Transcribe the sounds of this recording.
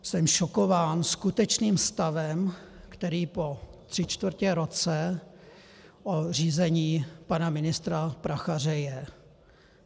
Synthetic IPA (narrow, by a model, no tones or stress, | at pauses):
sɛmʃokovaːnskut̪ɛt͡ʃniːmst̪avɛmkt̪ɛɾiːpo̞t̪r̝̥ɪt͡ʃt̪vɾ̩cɛɾot͡sɛ | ʔor̝iːzɛɲiːpanamɪnɪst̪ɾapɾaxar̝ɛjɛ